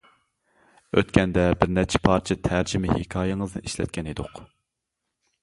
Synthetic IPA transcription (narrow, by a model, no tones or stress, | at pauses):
ø̰t̪kʲʰɛnd̪ɛbɪɾnɛt͡ʃʰɛ̥pʰɑɾt͡ʃʰit̪ʰæɾd͡ʒɪmɪhɪkʲʰɑːjeŋəzɨ̰iʃlɛ̰t̪̚kʲʰɛned̪ʊq